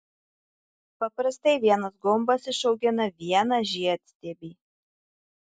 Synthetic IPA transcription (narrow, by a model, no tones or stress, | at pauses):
pɐpɾɐst̪ɐɪʋʲiɛnɐsɡʊmbɐsɪʃɐʊɡʲɛnɐʋʲiɛnɐʒʲiɐt̪ʲsʲt̪ʲeːbʲiː